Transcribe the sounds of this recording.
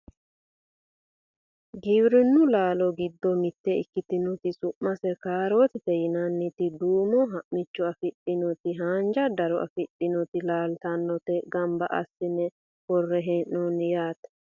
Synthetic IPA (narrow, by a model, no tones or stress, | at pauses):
ɡibɾɪnːʊlaːlɔɡɪd̪ːɔmɪt̪ːɛɪ̰kːɪt̪ɪnɔt̪ɪsʊʔmːɐsɛkaːɾot̪ɪt̪ɛjɪnɐnːɪt̪ɪd̪uːmɔɦɐʔmɪt͡ʃːɔɐfɪɗɪnɔt̪ɪɦaːnd͡ʒɐd̪ɐɾɔʔɐ̰fɪɗɪnɔt̪ɪlaːlt̪ɐnːɔt̪ɛɡɐmbɐʔɐ̰sːɪnɛ | hɔrːɛɦɛʔːɔnjaːt̪ɐ̥